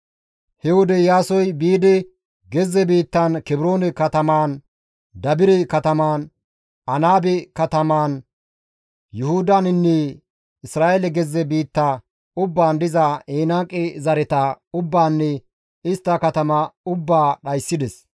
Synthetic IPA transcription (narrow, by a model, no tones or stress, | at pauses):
hɛwɔd̪ɛjaːsɔjbiːd̪ɛ | ɡɛzːɛbiːt̪ːɐnkɛbɪɾo̞ːnɛkɐt̪ɐmaːn | d̪ɐbɪɾɛkɐt̪ɐmaːn | ɐnaːbɛkɐt̪ɐmaːn | jʊhʊd̪ɐnɪnːɛ | ɪsɾaːʔelɛɡɛzːɛbiːt̪ːɐ | ʊbːaːnd̪ɪzɐeːnaːkʼːɛzɐɾɛt̪ɐʊbːaːnːɛ | ɪst̪ːɐkɐt̪ɐmɐʊbːaːɗɐjsːɪd̪ɛs